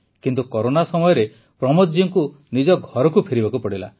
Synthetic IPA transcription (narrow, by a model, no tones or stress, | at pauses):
kint̪ukɔɾonasɔmɔjɔɾe | pɾɔmɔt̪d͡ʒiŋku | nid͡ʒɔɡʱɔɾɔkupʰeɾibakupɔɽila̰